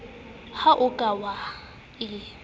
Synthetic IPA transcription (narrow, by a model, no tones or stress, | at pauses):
haʔʊkʼawa | ɪ